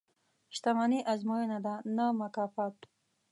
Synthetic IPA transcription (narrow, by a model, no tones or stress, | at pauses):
ʃt̪amaniʔazmojenad̪anamakɑfat̪